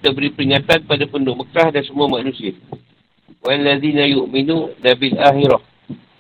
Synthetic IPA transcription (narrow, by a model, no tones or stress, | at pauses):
t̪abəɾipəɾiŋat̪anpadapəndʊʔmək̚tahdansəmuamãʔnũsiə | walːaðinajuʔminũlabilaxiɾah